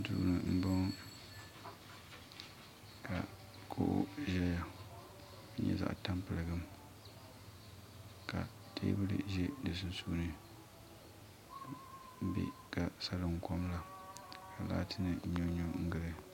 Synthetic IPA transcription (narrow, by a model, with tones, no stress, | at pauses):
tuː˦nɨ˨m̩˦bo˦ŋ˦ | ka˨ | kʰo̰˦˨ʔʊ̰˦ʒɛ˦ja˨˦ | ɲɛ̰˦za̰˦ʔta˦mpɨ˨lɨ˨ɡɨ˦m | ka̰˨ | teː˦bɨ˦lɨ̰˦ʒɛ˦dɨ˨s̬ɨ˦n˦suː˦nɨ˨˦ | bḛ˦ka˨sa˦lɨ˨ŋ˨ko˦mla˨ka˨la̰ː˦tʰɨ˦nɨ˦ɲo˦ɲo˦ŋ̩˦ɡɨ˦lɨ˨